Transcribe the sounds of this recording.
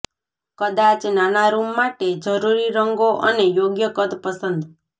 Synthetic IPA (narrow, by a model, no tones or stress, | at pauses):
kəd̪at͡ʃnanaɾumːaʈed͡ʒəɾuɾiɾəŋɡoʔənejoɡjəkəd̪pəsənd̪